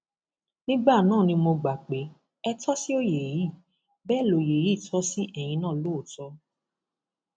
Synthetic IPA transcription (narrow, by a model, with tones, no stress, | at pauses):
nĩ˦ɡ͡ba˦˨nãː˦˨nĩ˧mo˧ɡ͡ba˨k͡pe˨˦ | ɛ˧tʰɔ˦si˦o˦je˨ji˨˦˨ | bɛ˦˨lo˨je˨ji˦˨tʰɔ˦si˦ʔɛ˦˨j̃ĩ˧nãː˦˨lo˦o˦˨tɔ˧˦